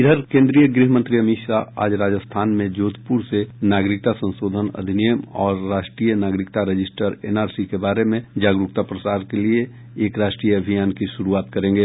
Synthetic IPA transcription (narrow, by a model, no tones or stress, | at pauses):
ɪd̪ʱəɾkẽːnd̪ɾijəɡɾiɦəmə̃nt̪ɾiɐmiʃaa̰ːd͡ʒɾaːd͡ʒəst̪ʰaːnmẽd͡ʒoːt̪ʰpuɾsenaːɡɾɪk̚t̪asə̃nʃoːd̪ʱənɐ̰d̪ʱɪnijəmɔ̰ːɾːaːʃʈɾiːjənaːɡɾɪkt̪aɾɐd͡ʒɪsʈəɾḛːnaːɾsikebaːɾemẽd͡ʒaːɡɾʊk̚t̪apɾɐsaːɾkelie | eːkɾaːʃʈɾijəɐbʱijaːnkiʃʊɾuaːt̪̚kɐɾẽːŋɡeː